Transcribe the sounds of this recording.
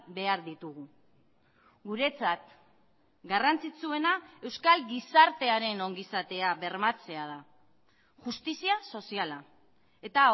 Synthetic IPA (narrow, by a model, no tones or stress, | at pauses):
be̞aɾðit̪uɣu | ɡuɾe̞t͡sat̪ | ɡarant͡sit͡sue̞nae̞wskalɡisaɾt̪e̞aɾe̞no̞ŋɡisat̪e̞aβe̞ɾmat͡se̞að̞a | ʝust̪isiaso̞siala | e̞t̪a